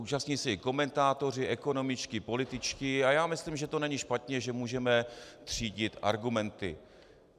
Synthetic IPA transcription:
uːt͡ʃasɲiːsɛɪko̞mɛnt̪aːt̪o̞r̝ɪʔɛko̞no̞mɪt͡ʃkɪpo̞lɪt̪ɪt͡ʃkɪajaːmɪslimʒɛt̪o̞nɛɲiʃpat̪ɲɛʒɛmuːʒɛmɛt̪r̝̥iːɟɪt̪ʔa̰ɾɡumɛnt̪ɪ̰

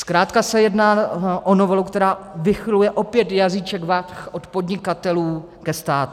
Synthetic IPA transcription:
skɾaːt̪kasɛjɛdnaːʔonovɛlukt̪ɛɾaːvɪxɪlujɛʔo̞pjɛt̪jazit͡ʃɛkvatxʔot̪pod̪ɲɪkat̪ɛluː | kɛst̪aːt̪u

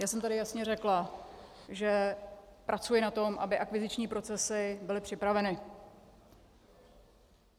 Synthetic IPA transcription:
jaːsɛmt̪adɪjasɲɛrɛkla | ʒɛpɾʔat͡sujɪnat̪o̞mʔa̰bɪʔakvɪzɪt͡ʃɲiːpɾo̞t͡sɛsɪbɪlɪpr̥ɪpɾavɛnɪ

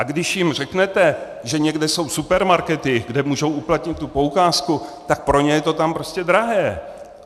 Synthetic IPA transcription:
ʔaɡdɪʃjɪmr̝ɛknɛt̪ɛ | ʒɛɲɛɡdɛso̞wsupɛɾmaɾkɛt̪ɪɡdɛmuːʒo̞wʔuplat̪ɲɪt̪ːupo̞ukaːskut̪ak̚pɾo̞ɲɛjɛt̪o̞t̪ampɾo̞scɛd̪ɾaɦɛː

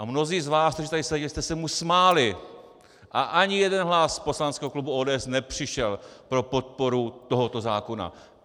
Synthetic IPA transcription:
ʔamno̞ziːzvaːst̪oʒɪt̪aɾɪsɛɟɛlst̪ɛsɛmusmaːlɪ | ʔaʔaɲɪjɛdɛnɦlaspo̞slanskɛːɦoklubuoːdɛːɛsnɛpr̝̥ɪʃɛlpɾo̞po̞t̪̚po̞ɾut̪o̞ɦot̪o̞zaːko̞na̰

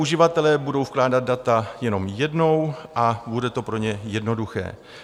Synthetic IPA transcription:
uʒɪvat̪ɛlɛːbudo̞wfklaːdad̪̚dat̪ajɛno̞mjɛdno̞wʔabudɛt̪o̞pɾo̞ɲɛjɛdno̞duxɛ̰ː

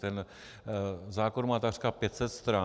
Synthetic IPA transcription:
t̪ɛn | zaːkoɾmaːt̪akr̥kaːpjɛt̪sɛt̪st̪ɾa

